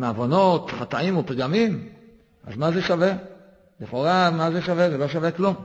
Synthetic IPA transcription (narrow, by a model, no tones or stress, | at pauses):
meavono̞t̪χat̪aimopiɡamim | ʔa̰zmaze̞ʃave̞ | leχoʁamazeʃavezelo̞ʃaveklum